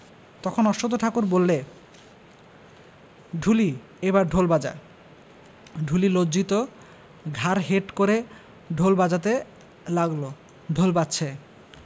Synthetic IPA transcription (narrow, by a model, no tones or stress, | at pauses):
t̪ɔkʰonɔʃot̪oʈ̪ʰakuɾbolːe | ɖʱuli | ebaɾɖʱolbad͡ʑa̰ | ɖʱulilod͡ʑit̪o | ɡʱaɾɦeʈkoɾe | ɖʱolbad͡ʑat̪̬e | laɡlo | ɖʱolbatːɕʰe